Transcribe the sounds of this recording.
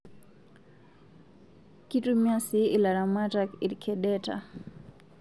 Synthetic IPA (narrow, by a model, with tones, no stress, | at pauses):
ki˦tumja˦si˦i˨la˨ɾa˨ma˦taki˨ɾkʰɛ˨ɗɛta̰˨